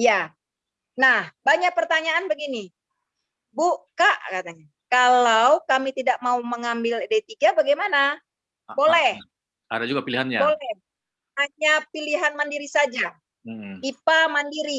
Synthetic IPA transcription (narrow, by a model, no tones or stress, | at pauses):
ja | nahbaɲak̚pərt̪aɲaːnbəɡini | bukaʔkat̪aɲa | kalawkamit̪idak̚mauməŋambɪldat̪iɡabaɡajmana | bolɛh | a̰dad͡ʒuɡapiliɦanjabolɛ | haɲapiliɦanmandiɾisad͡ʒa | ipamandiɾi